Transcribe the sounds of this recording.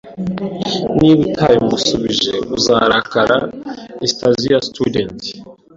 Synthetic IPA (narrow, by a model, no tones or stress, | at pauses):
niβutʰajimusuβiʒḛuzaɾakaɾaestazijastudenti̥